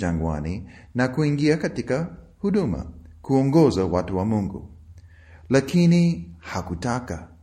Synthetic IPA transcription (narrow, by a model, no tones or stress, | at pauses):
ãŋɡwa̰ninakuiŋɡiakatika | huɗuma̰kuɔ̃ŋɡɔzawatuwamũŋɡṵ | lakinihakutaka